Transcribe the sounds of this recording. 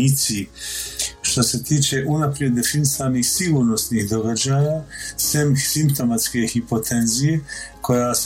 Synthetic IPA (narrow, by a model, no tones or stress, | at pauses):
it̪si | ʃt̪o̞se̞t̪iːt͡ʃe̞ʔunapɾije̞d̪ːe̞finisaːniːxsiɡuːɾno̞snihd̪o̞ɡad͡ʒaːjaːsemsimpt̪o̞mat̪ske̞hipo̞t̪ʰe̞nzije̞kʰo̞jaːs